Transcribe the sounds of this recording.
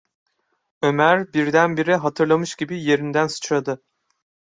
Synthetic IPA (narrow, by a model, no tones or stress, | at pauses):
ø̞mæɾbiɾd̪ænbiɾɛɦat̪ʰɯɾlˠamɯʃɟibije̞ɾind̪ænsɯ̥t͡ʃad̪ɯ